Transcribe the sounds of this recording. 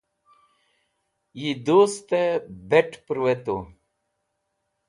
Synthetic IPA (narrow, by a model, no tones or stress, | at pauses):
jid̪ost̪ebeʈʰpɾwet̪o̰